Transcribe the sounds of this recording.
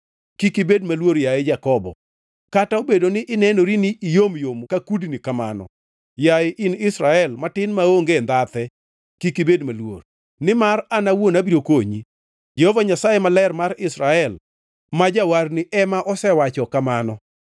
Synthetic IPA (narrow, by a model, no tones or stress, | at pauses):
kikibedmalwoɾjaed͡ʒakɔbɔ̰ | kataobedonɪʔɪnɛnoɾiniʔːjomjomkakudnikama̰nɔ̰ | jaʔɪnɪsɾaɛlmatɪnmaoŋɡend̪at̪ɛ | kikibedmalwo̰ɾ | nɪmaranawonabiɾokoɲḭ | d͡ʒɛhovaɲasajemalɛrmaɾɪsɾaɛl | mad͡ʒawarnɪʔɛmaʔɔsɛwat͡ʃɔkamanɔ